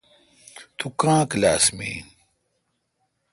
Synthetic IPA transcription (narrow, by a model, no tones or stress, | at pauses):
t̪ʰukãːkla̰ːsmḭː